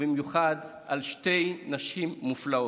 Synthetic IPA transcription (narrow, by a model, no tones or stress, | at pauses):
bimjuχad | ʔalʃte̞jnaʃimːuflao